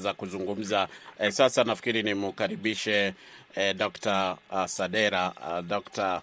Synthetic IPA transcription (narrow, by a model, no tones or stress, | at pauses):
zakuzuŋɡum̩zasasanafi̥kiɾinimukaɾiɓiʃɛ | dɔktasaɗɛɾadɔkta